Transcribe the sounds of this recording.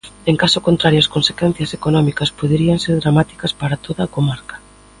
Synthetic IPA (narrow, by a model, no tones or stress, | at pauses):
eŋkasʊkont̪ɾaɾjoɐskonse̥kwɛn̟θjɐsekonɔmikɐspoðeɾiɐŋseɾðɾamat̪i̥kɐspaɾat̪oðɐːkomaɾkḁ